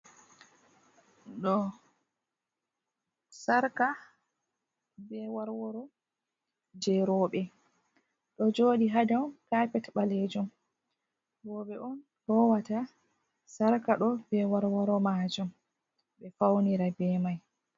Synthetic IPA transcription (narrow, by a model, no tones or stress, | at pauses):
ɗɔ | saɾka | bɛwaɾwɔɾɔ | d͡ʒɛɾɔːɓɛ | ɗɔd͡ʒoːɗiɦadawkapɛtɓaled͡ʒum | bɔːɓɛʔɔn | hɔwata | saɾkaɗɔbɛwaɾwɔɾɔmaːd͡ʒum | ɓɛfawniɾabɛmaj